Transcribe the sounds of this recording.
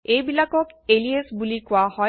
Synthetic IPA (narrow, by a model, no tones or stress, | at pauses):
ejbilakɔkeliesbulikʊahɔ